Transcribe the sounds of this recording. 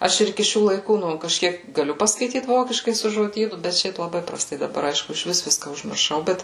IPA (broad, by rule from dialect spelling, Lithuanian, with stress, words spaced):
ˈɐʃ ɪr ɪˈkʲɪ ˈʃʲuː lˠɐɪˈkuː ˈnʊ kɐʃʲˈkʲiɛk ɡɐˈlʲʊ pɐskɐɪˈtʲiːt ˈʋoːkʲɪʃkɐɪ sʊ ʒoːˈdʲiːnʊ bʲɛt ˈʃʲɛɪp lˠɐˈbɐɪ prɐˈstɐɪ dɐˈbɐr ˈɐɪʃkʊ ɪʃʲˈʋʲɪs ˈʋʲɪskɐ ʊʒʲmʲɪrˈʃɐʊ ˈbʲɛt